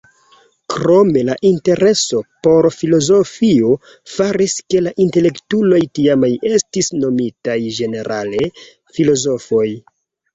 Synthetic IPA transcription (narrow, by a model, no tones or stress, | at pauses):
kɾo̞me̞laʔinte̞ɾe̞so̞po̞ɾfilo̞zo̞fio̞ | faɾiske̞laʔinte̞le̞ktulo̞jtiamaje̞stisno̞mitajʒe̞ne̞ɾʔale̞ | filo̞zo̞fo̞j